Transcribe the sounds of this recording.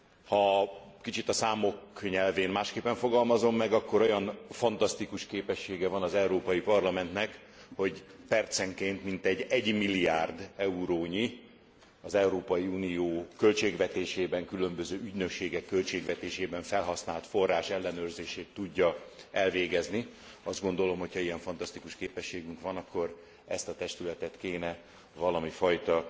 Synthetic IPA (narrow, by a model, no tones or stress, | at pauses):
hɒkit͡ʃit̪ɒsaːmo̞kɲɛlveːnmaːʃkeːpːɛɱfo̞ɡɒlmɒzo̞mːɛɡɒkːo̞ɾo̞jɒnfɒnt̪ɒst̪ikuʃkeːpɛʃːeːɡɛvɒnɒzɛuɾoːpɒjipɒrlɒmɛnt̪nɛk | ho̞ɟpɛrt̪sɛŋkeːnt̪mint̪ɛɟɛɟmilːiaːrd̪ɛuɾoːɲi | ɒzɛuɾoːpɒjiunijoːkø̞lt͡ʃeːɡvɛt̪eːʃeːbɛŋkylø̞mbøzøːyɟnøkʃeːɡɛkːø̞lt͡ʃeːɡvɛt̪eːʃeːbɛɱfɛlɦɒsnaːlt̪fo̞rːaːʃɛlːɛnøːrzeːʃeːt̪ːuɟːɒɛlveːɡɛzni | ɒzd̪ɡo̞nd̪o̞lo̞mho̞cʰhɒiɛɱfɒnt̪ɒst̪ikuʃkeːpɛʃːeːɡyŋkʋɒnɒkːo̞r | ɛst̪ɒt̪ɛʃt̪ylɛt̪ɛt̪keːnɛ | vɒlɒmifɒjt̪ɒ